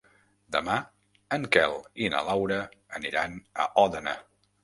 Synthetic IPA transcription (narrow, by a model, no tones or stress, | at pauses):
d̪əma | əŋkɛlˠinə̰lawɾəəniɾanə̰ʔɔðəna̰